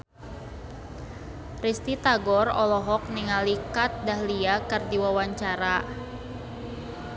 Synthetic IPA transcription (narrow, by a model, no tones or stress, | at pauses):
rist̪it̪aɡɔrɔ̰lɔɦɔk̚niŋalikat̪̚daɦliakɨrdiwawaɲt͡ʃaɾa